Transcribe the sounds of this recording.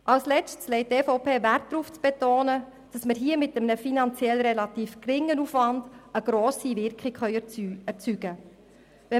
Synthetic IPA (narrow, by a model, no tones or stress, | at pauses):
ʔɑlslɛt͡ʃtslɛɪt̚tɛfoʊpeːvært̚dɾuft͡sb̥etoːnə | d̥ɑsməɾɦiːəmɪtəmənəfinɑnt͡sjɛlɾɛlɑtiːfkrɪŋːənufʋɑndəɡ̥ɾoːsiʋɪɾkχikχœʏɛɾt͡syɡə | vɛ